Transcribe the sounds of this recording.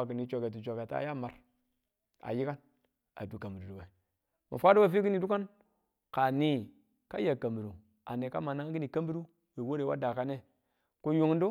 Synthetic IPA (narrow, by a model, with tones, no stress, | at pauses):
a˨ki˨ni˨˦t͡ʃo˨ke˨ti˨t͡ʃo˨ke˨ta̰˦ja˦ma˨ɾ | a̰˨ji˦ka˦n | a̰˨du˨ka˨mbi˨ɾu˨du˨we˨ | ma̰˨fʷa˦du˦wa˦˨fi˦ki˦ni˨du˦ka˦n | ka˨ni˦ | ka˦ja˨ka˨mbi˨ɾu˨ | a˨ne˨ka̰˦ma˨na˦ŋ˦ki˦ni˨ka˦mbi˦ɾu˦ | we˨wo˦ɾe˨wa̰˦da˨ka˦ne˦ | ko˦ju˨ŋ˦n˦du˦